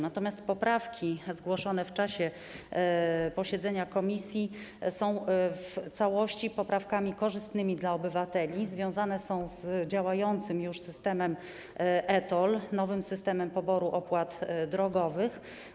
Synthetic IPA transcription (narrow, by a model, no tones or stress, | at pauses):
nat̪ɔmʲjast̪pɔpɾafkʲʰizɡwɔʂɔn̪ɛft͡ʂaɕɛ | pɔɕɛd̪zɛɲakɔmʲisʲjisɔ̃w̃ft̪sawɔɕt͡ɕipɔpɾafkamʲikɔʐɘst̪nɘmʲid̪laɔbɘvat̪ɛlʲizvʲjɔ̃w̃zanɛsɔ̃w̃zd͡ʑawajɔnt̪sɘmjuʂsɘst̪ɛmɛm | ʔɛt̪ɔlnɔvɘmsɘst̪ɛmɛmpɔbɔɾuʔɔpwat̪d̪ɾɔɡɔvɘx